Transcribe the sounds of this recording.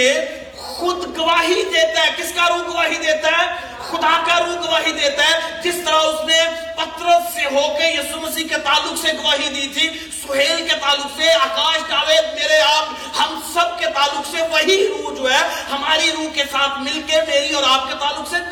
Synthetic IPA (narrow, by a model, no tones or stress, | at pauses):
e | xʊd̪ɡɐʋaːɦid̪eːt̪aɦɛ̃kɪskaɾuːɡəʋaːɦid̪eːt̪aɦɛː | xʊd̪akaɾuːɡɐʋaːɦid̪eːt̪aɦɛ̃d͡ʒɪst̪əɾaʊsne | pɐt̪ɾəseɦoːkejiːsuməsiːɦket̪aːlʊkseɡɐʋaːɦid̪iːt̪ʰi | ssʊɦeːlket̪aːlʊkseaːkaːʃkaːʋeːd̪̚meːɾeaːp | ɦɐmsəb̚ket̪aːlʊkseʋɐɦiɾuːd͡ʒoːɛhɐmaːɾiɾuːɦkesaːt̪ʰmɪlkemeːɾiɔːɾaːp̚ket̪aːlːʊkse